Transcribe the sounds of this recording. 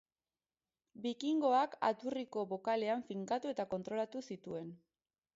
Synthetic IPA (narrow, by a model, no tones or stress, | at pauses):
bikiŋɡo̞aka̰t̪uriko̞βo̞kale̞aɱfiŋkat̪ue̞t̪ako̞nt̪ɾo̞lat̪usit̪ue̞n